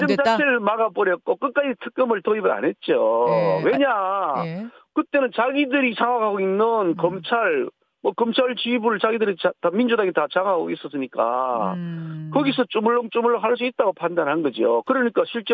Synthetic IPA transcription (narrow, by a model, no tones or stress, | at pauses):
d͡ʑɯmsʰaɕiɭmaɡap͈ʌɾjʌt̚k͈ok͈ʌk̚k͈ad͡ʑitʰɯ̥k̚k͈ɯmɯɭtoibɯna̰ne̞t̚t͡ɕ͈owe̞ɲa | kɯt͈e̞nɯnt͡ɕaɡidɯɾisʰaŋakʰaɡoinːɯnkʌmt͡ɕʰaɭ | mʌkʌmt͡ɕʰaɭt͡ɕibuɾɯɭt͡ɕaɡidɯɾit͡ɕatamind͡ʑudaɡetat͡ɕaŋaɡois͈ʌs͈ɯɲik͈a̰ | kʌɡisʰʌt͡ɕ͈omuɭːʌŋt͡ɕ͈omuɭːʌɦaɭs̬͈uit̚t͈aɡopʰandanhanɡʌd͡ʑijo̰kɯɾʌɲik͈aɕʰiɭt͡ɕ͈